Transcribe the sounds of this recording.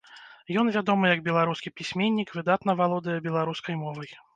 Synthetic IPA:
jɔnvʲad̪ɔmɨjɐɡbʲɛlˠaɾuskʲipʲisʲmʲenʲːikvɨd̪at̪n̪ɐvalˠɔd̪ɨjɛbʲɛlˠaɾuskɐjmɔvɐj

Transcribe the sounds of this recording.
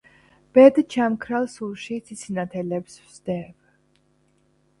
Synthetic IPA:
b̥ɛd̪t͡ʃʰamkʰɾalˠsulʃit̪sʰit̪sʰinat̪ʰɛlɛpsvz̥d̪ɛv

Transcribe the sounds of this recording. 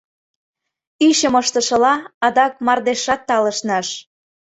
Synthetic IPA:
yɕəməʃt̪ə̆ʃɤ̆lɑɑd̪ɑk̚mɑrd̪eʃɑt̪ːɑlə̆ʃnɑʃ

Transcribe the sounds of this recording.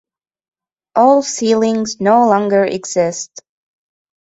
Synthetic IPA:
ʔɔlˠsilˠɪ̃ŋznoʊlɔ̃ŋɡə˞ʔɪ̰ɡz̥ɪst

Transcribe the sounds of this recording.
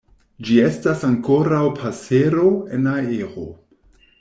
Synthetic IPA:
d͡ʒie̞stasaŋko̞ɾawpʰase̞ɾo̞e̞nae̞ɾo̰

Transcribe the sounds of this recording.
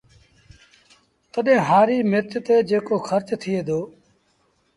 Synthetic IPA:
t̪əɗẽːɦaːɾiːmɪɾt̪t̪eːd͡ʒeːkoːxʰəɾt͡ʃt̪ʰɪeːd̪oː

